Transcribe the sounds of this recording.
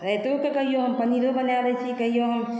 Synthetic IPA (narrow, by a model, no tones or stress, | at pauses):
ɾɛɦt̪okekɐɦijoɦɐmpɐniɾobənaːɾɛt͡ʃʰikɐɦijoɦɐm